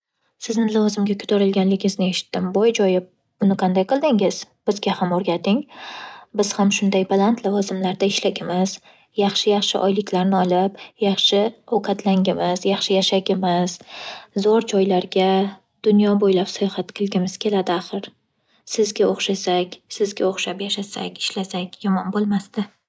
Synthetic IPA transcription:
sɪznɪlavɒzɪmɡʲakʰʊ̥t̪ʰaɾɪlɡʲanlɪɡʲɪŋɪznɪe̞ʃɪ̥t̪ːɪmbɒjd͡ʒɒjɪ | b̥ʊnɪqʰɑnd̪ajqʰɨlˠd̪ɪŋɪzb̥ɪzɡʲahamoɾɡʲat̪ɪŋ | bɪz̥hamʃʊnd̪ajbalˠant̪ʰlˠavɒzɪmlaɾd̪aɪʃlaɡʲɪmɪz̥ | jɑχʃɪjɑχʃɪ̰ʔɒjlɪkʲlaɾnɪɒlˠɪpjɑχʃɪɒwqʰɑt̪laŋʲɪmɪz̥jɑχʃɪjaʃaɡʲɪmɪz̥zɒɾd͡ʒɒjlaɾɡʲa | d̪̥ʊnjɒbojlapsajɒχat̪kʰʲɨlˠɡʲɪmɪz̥kʲʰe̞lad̪ɪaχɨɾ | sɪzɡʲaoχʃasakʲsɪzɡʲaoχʃapjaʃasakʲɪ̥ʃlasakʲjɒmɒnbolˠmast̪ɪ

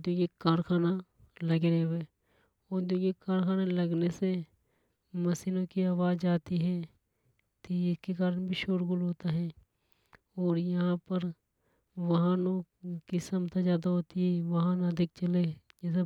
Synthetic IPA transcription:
d̪oːɡekaːɾkʰaːna | ləɡeɾɛeː | oːɾd̪õːɡekaːɾxaːnaləɡnese | məsiːnõkiaːʋaːzd͡ʒaːt̪iɦɛ̃ː | t̪iɪskekaːɾənbʱiʃoːɾɡʊlɦoːt̪aɦɛ̃ː | ɔːɾjɐɦãpəɾ | ʋɐɦãːnõkisəmt̪ʰazjaːd̪aɦoːt̪iɦɛʋɐɦãnad̪ʱɪk̚t͡ʃəled͡ʒɛːs̬e

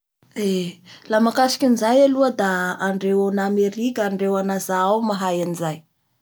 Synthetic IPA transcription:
elamakasi̥kʲinizajaluəd̪aːɳɖ͡ʐewanameɾikaɳɖ͡ʐewanazaawmaɦajanizaj

